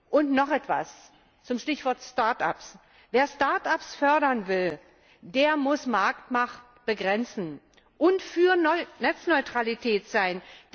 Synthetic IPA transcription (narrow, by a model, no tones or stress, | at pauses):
ʔʊntnɔχɛtv̥a̰s | t͡sʊmʃtɪçv̥ɔɐtstaɐta̰ps | veːɐstaɐtapsfœɐɾɐnvɪl | deːɐmʊsmaɐktmaχt | b̥əɡʁɛnt͡sn̩ | ʔʊntfyːɐnɛt͡snɔʏtʁ̥alitʰɛːtz̥aɪnd